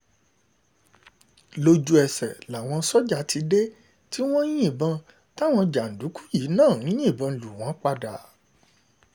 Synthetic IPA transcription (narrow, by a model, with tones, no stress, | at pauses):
lo˧d͡ʒu˧ɛ˨sɛ˨la˨w̃ɔ̃˧sɔ˦d͡ʒa˧ti˧de˦ | ti˦w̃ɔ̃˦jĩ˦˨bã˧ | ta˦˨w̃ɔ̃˧d͡ʒa˨n̩˨du˨˦ku̥˦ji˨˦nãː˦˨ñ̩˨˦ĩ˦˨bã˧˨lu˨w̃ɔ̃˨˦k͡pa˧da̰˨